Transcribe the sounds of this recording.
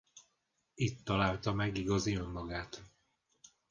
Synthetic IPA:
it̪ːɒlaːlt̪ɒmɛɡiɡɒziømːɒɡaːt̪

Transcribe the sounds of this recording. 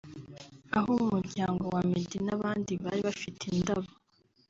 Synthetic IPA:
aɦoumuɲɟaːŋɡowamidinaβaːndiβa̰ɾiβafitʰendaβo

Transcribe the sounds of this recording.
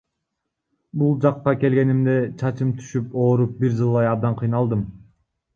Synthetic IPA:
bulˠd͡ʒɑqːɑke̞lɡʲe̞nimd̪e̞t͡ʃʰɑt͡ʃɯmt̪ʰy̥ʃypo̞ːɾup̚biɾd͡ʒɯlˠːɑjɑb̚d̪ɑɴqʰɯjnɑlˠd̪ɯm

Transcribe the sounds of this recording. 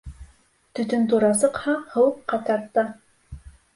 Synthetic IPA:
t̪ɵ̆t̪ɵnt̪uɾɑsɤ̆qhɑhɤ̆wɤqːɑt̪ɑɾt̪ːɤ

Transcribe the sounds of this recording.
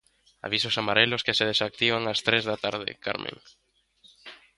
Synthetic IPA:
a̰βisosamaɾelʊskeseð̞esak̚t̪iβ̞aŋast̪ɾezðat̪aɾð̞ɪ̰ka̰ɾmʔḛ̃ŋ

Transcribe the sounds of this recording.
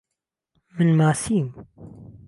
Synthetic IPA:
mɨnmaːsiːm

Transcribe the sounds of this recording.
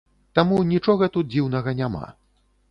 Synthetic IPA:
t̪amunʲit͡ʂɔɣɐt̪ut̪̚d͡zʲiwnɐɣɐnʲama̰

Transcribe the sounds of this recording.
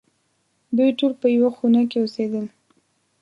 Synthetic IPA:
d̪ujʈolpəjawaxunakeosed̪əl

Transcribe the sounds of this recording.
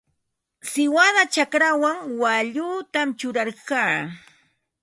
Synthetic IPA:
sɪwaðat͡ʃakɾawaŋwaʎut̪amt͡ʃʊɾaɾkaː

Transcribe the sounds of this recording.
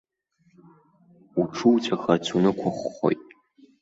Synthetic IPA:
uʈ͡ʂʰɨwt͡sʰʼaxɐt͡sʰunɨkʷʰʊχʷːo̰jtʼ

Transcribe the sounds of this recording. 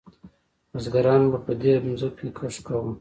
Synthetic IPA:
mazɡaɾɑːnbapəd̪emzukkekʰaʂkawum

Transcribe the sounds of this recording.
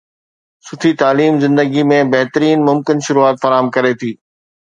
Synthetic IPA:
sʊt̪ʰit̪aːliːmzɪ̃nd̪əɡimẽbɐɦt̪əɾiːnmʊmkɪnʃʊɾuaːt̪fɐɾaːɦəmkɐɾet̪ʰiː

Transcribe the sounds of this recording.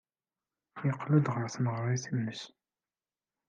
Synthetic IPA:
jəqːlud̪ʁəɾθməʁɾˤiθinːəs

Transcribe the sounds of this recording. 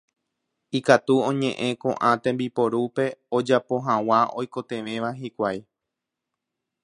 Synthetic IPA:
ikat̪uõ̞ɲẽ̞ʔẽ̞kõʔãt̪ẽmbipo̞ɾupe̞od͡ʒapo̞ɦãw̃ao̞jko̞t̪e̞ʋẽ̞ʋaɦikʷaj

